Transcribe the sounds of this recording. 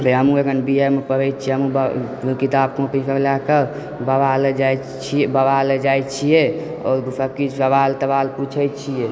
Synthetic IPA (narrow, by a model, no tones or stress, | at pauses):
beɦəmũeɡənbiemepəɾəjt̪̚t͡ʃʰiɦəmũb | kit̪ab̚kõpikəɾlakə | bəbaled͡ʒaj | t͡ʃʰiebəbaled͡ʒajt͡ʃʰije | ɔ̰ːɾsəkit͡ʃʰsəbalt̪əbalput͡ʃʰəjt͡ʃʰije